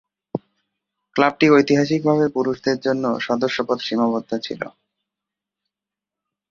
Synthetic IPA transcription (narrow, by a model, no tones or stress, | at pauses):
klab̚ʈiojt̪iɦaʃ̬ik̚bʱaβepuɾuʃd̪eɾd͡ʑonːo̰ʃɔd̪oʃːopot̪ʃimabod̪ʱːat͡ɕʰḭlo̰